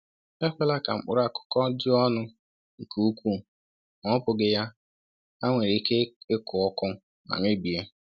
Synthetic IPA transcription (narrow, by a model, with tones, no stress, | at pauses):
e˦kʷe˦la˦ka˨m̩˨k͡pʊ̰˦˨ɾa˦˨kʊ̥˦kɔ˦dɪ˦ɔ˦nʊ˦ | ŋ̩˨ku˦u˦kʷu˦˨ | ŋɔ˨˦pʊ˨ɡɪ˨ja˦ | a˦ŋʷe˨ɾi˨˦ke˦ɪ˦kʊ˨ɔ˦kʊ˦ | na̰˨ŋɪ˦ɡ͡bi˨e˦